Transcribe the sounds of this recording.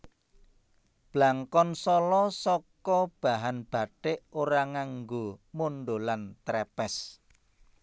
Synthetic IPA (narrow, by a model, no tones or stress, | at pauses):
b̥laŋkɔnsɔlɔsɔkɔb̥a̤ɦanb̥a̤ʈeʔoɾaŋaŋɡomoɳɖolant̪ɾɛpɛs